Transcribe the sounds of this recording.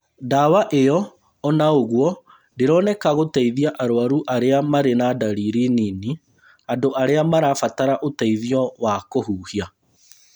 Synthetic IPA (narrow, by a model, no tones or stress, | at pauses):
dawaʔejɔː | naoɣwɔ | deɾɔnɛkaɣotaiðiaʔaɾoaɾuʔaɾeamaɾenadaɾiɾinini | andoʔaɾeamaɾafataɾaʔotaiðiɔwakohuːhia